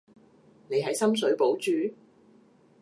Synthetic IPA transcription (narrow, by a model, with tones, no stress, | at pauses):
ne˨˧jɦɐ˨˥jsɐ˥ms̬ɵ˨˥ɥpo˨˥wt͡ʃyː˨